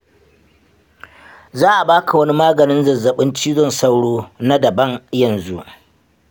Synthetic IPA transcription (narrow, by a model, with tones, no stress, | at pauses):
zaː˦ʔa˨baː˦kʰa˨wɐ˦ni˦maː˦ɡɐ˨nɪ˦nzɐ˨zɐ˨ɓɪ˦nt͡ʃiː˦zɔ˦˨nsa˦wɽoː˦na˦dɐ˨bɐ˦ŋjɐ˨nzu˦ʔ